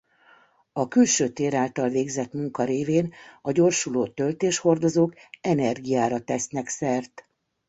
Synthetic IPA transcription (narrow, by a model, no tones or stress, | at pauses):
ɒkylʃøːt̪eːɾaːlt̪ɒlveːɡzɛt̪muŋkɒɾeːveːnɒɟo̞rʃuloːt̪ølt̪eːʃho̞rd̪o̞zoːkɛnɛrɡijaːɾɒt̪ɛsnɛksɛrt̪